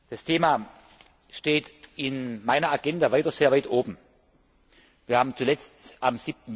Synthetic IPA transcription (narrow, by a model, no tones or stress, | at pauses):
d̥astʰeːmaː | ʃteːtɪnmaɪnɐaɡɛndavaɪtɐz̥eːɐvaɪtʔoːbm̩ | viːɐhaːbm̩t͡sulɛt͡stʔamzip̚tn̩